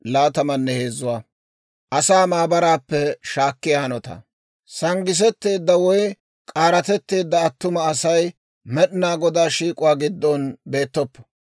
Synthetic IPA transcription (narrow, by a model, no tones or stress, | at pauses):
laːt̪ɐmɐnːɛhe̞ːzʊwaː | ʔɐsaːmaːbɐɾaːpːɛʃaːkːɪjɐhɐnɔt̪ɐ̰ | sɐŋɡɪs̬ɛt̪ːe̞ːd̪ːɐwɔj | kʼaːɾɐt̪ɛt̪ːe̞ːd̪ːɐːt̪ːʊmɐːsɐj | mɛɗɪnaːɡɔd̪aːʃiːkʼʊwaːɡɪd̪ːɔnbe̞ːt̪ːɔpːɔ̥